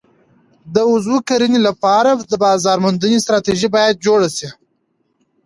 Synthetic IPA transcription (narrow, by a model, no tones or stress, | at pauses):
d̪əʊzwukaɾinilapɑɾad̪əbɑzɑɾmʊnd̪ənest̪ɾɑt̪eʒibɑjad̪̚d͡ʒoɽasi